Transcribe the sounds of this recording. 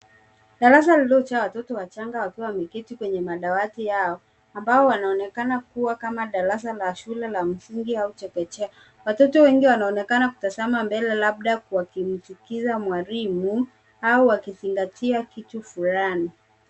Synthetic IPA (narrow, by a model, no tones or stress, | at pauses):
ɗaɾas̬alilɔt͡ʃawatɔtɔwat͡ʃaŋɡawakiwamikitikwɛɲɛmaɗawatijaɔ | ambaɔwanaɔnɛkanakuwakamaɗaɾas̬alaʃulɛlam̩siŋɡiaut͡ʃɛkɛt͡ʃɛ | watɔtɔwɛŋɡiwanaɔnɛkanaku̥tazamambɛlɛlaɓ̚ɗakuwakim̩sikizamwaɾimu | auwakiziŋɡatʰiakitufulani